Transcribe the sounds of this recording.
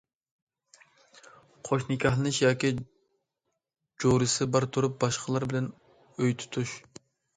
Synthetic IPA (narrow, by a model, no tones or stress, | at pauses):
qʰoʃnɪkʲʰɑhlˠɨnɨʃjɑːkʲi | d͡ʒoɾɨsɨbɑɾt̪ʰuɾup̚bɑʃqʰəlˠɑɾbɪlɛn | øjt̪ʰu̥t̪ʰuʃ